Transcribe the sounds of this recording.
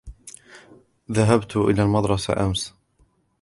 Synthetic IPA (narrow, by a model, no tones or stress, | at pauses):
ðaɦabt̪ʔɪ̰laːlmɑd̪ɾˤɑsa̰ʔams